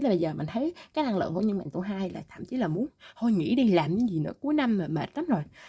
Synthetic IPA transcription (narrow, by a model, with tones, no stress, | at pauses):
laː˨˩ɓə˧jzəː˨˩mä˨˩ŋt̪ʰə˨˦jkaː˨˦˥k̚na˧˩ŋlɨ̰˧˨ŋku˧˥˦ɲɨ˧ma̰˧˨ŋt̪u˧ɦaː˧jlaː˨˩t̪ʰa̰ː˧˨mt͡ɕi˨˦laː˨˩mu˨˦ənh̪ʰo˧jŋḭ˧˥ɗi˧laː˨˩mɲɨ̰˨˧˦ŋzi˨˩nɨ̰˧˥əku˨˦əjna˧mːaː˨˩me˨˩t̚laː˨˦zo˨˩j